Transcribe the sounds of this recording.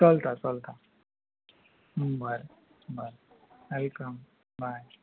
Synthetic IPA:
t͡sɔlt̪at͡sɔlt̪a | bəɾbəɾwɛlkəm | baj

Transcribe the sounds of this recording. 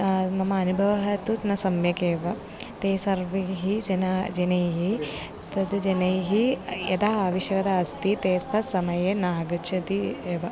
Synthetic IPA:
mɐmɐːnubʱɐʋɐɦɐt̪ut̪nɐsɐmjɐkeːʋɐ | t̪eːsɐɾʋɐɦid͡ʒɐnɐd͡ʒɐnɐjɦi | t̪ɐd̪ud͡ʒɐnɐjɦijɐ̰t̪aːɦaːʋɐʃjɐkɐt̪ɐɐst̪it̪eːst̪ʰɐsɐmɐjenaːɡɐt͡ʃʰɐt̪ieːʋɐ

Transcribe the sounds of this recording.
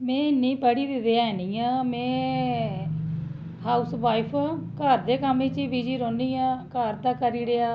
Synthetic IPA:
mẽːɪnːĩːpəɽiːd̪ɪd̪ejaːnĩːãːmɛ̃ː | ɦaːusʋaːipʰːkaɾd̪eːkamẽːt͡ʃiːbiːd͡ʒiːɾõːniːãːkaɾd̪aːkəɾiːɾejaː

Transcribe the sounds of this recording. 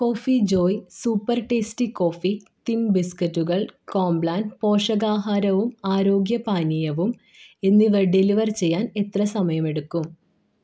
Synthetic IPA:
ko̞ːfid͡ʑo̞ːjsuːpːɐrʈeːstiko̞ːfit̪imbiskɐtːuɣɐɭkoːmbɭaːnpo̞ːʂɐɣaːɦaːɾɐʋumaːɾo̞ːɡjɐpaːnijɐʋum | e̞nːiʋeɖeliʋɐrt͡ɕe̞jːaːne̞t̪rɐsɐmɐjɐme̞ɽukːum

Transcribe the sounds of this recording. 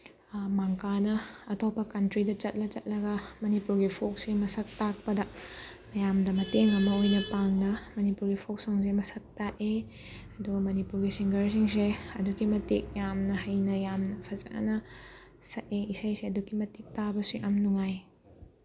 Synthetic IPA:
maŋkanɐɐtʰɔpːɐkɐntɾidɐt͡ʃɐt̚lɐt͡ʃɐt̚lɐɡɐmɐnipuɾɡipʰok̚semɐsɐk̚tak̚pɐdɐmɐjamdɐmɐteŋɐmɐojnɐpaŋnɐmɐnipuɾɡipʰok̚soŋs̬emɐsɐk̚taʔe | ɐdumɐnipuɾɡisiŋɡɐɾs̬iŋs̬eɐdukimɐtik̚jamnɐɦɐjnɐjamnɐpʰɐzɐ̰ʔa̰nɐ | sɐt̚eisajseɐdukːimɐtik̚tabɐsuʔɐmnuŋaj

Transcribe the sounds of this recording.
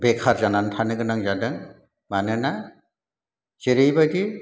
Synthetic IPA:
bekʰaɾzanantʰanɯɡɯnaŋzadɯŋ | manɯna | zeɾɯjbajdi

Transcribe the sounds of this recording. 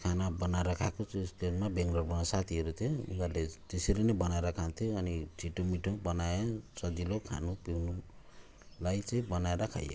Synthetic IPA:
kʰanabʌnaeɾʌkʰakot͡sʌskenmabeŋɡlorbʌnasat̪ʰiɦʌɾut̪ʰjoṵŋɡalet̪esiɾinebʌnaeɾʌkʰant̪ʰjoʌnit͡sʰiʈomiʈʰobʌnajʌsʌd̪ilokʰa̰nupiwnu | lajt͡saĩbʌnaeɾʌkʰa̰jʌ̰

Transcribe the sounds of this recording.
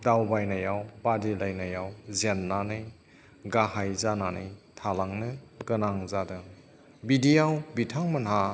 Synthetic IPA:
dawbajnajawbadelajnajawzenːanɯj | ɡahajzananɯjtʰalaŋnɯɡɯnaŋzadɯ | bidijawbitʰaŋmɐnɦa

